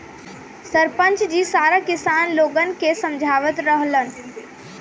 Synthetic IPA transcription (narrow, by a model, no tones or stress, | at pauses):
səɾpə̃nt͡ʃd͡ʒisaɾakɪsaːnloːɡənkesə̃md͡ʒʱaːʋət̪ɾəɦlən̆